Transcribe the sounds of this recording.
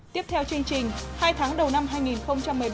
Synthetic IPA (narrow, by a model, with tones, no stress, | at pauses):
t̪i˦˥əp̚t̪ʰɛ˧wt͡ɕɨ˧əŋt͡ɕï˨˩ŋ̟haː˧jt̪ʰaː˨˦ŋɗə˨˩wna˧mɦaː˧jŋi˨˩nxə˧wŋ͡mt͡ɕa˧mːɨ˨˩əj